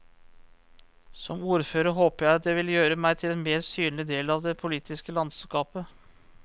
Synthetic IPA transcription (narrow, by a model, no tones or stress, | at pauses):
sɔmuːɾføːɾəɾɦoːpəɾjæɪɑt̪̚d̪ɛʋɪljøːɾəmæɪt̪ʰɪleːnmeːɾsyːnlɪd̪eːlɑʋd̪ɛpʰʊliːt̪ʰɪskəlɑnd̪skɑːpə